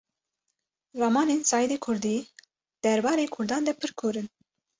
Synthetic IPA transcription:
rɑmɑːneːnsɑːjid̪eːkʰʊɾd̪iː | d̪̥ɛɾbɑːɾeːkʰʊɾd̪ɑːnd̪ɛpʰɨɾkʰoːɾɨn

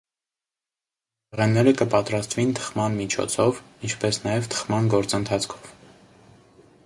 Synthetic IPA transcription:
əʁɛnːɛɾəkəpɑt̪ɾɑst̪vint̪ʰə̥χmɑnmit͡ʃʰɔ̰t͡sʰɔv | int͡ʃʰpɛsnɑjɛvt̪ʰə̥χmɑnɡɔɾt͡sənt̪ʰɑt͡sʰkʰɔ̥v̥

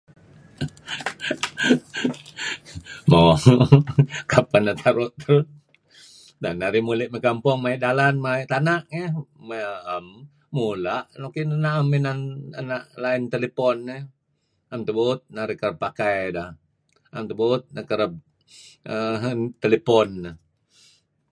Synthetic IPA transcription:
mo | kapanat̪ʰaɾʊʔt̪ə | danaɾimulɪʔməkampɔŋmaiʔdalanmaiʔt̪anaʔeməaam | mulaʔnokinnaʔaminananaʔlaɪnt̪elepɔnːe | amt̪əbut̪̚naɾikəɾəpːakajdah | amt̪əbut̪̚nakəɾəp̚ | ət̪elepɔnːa

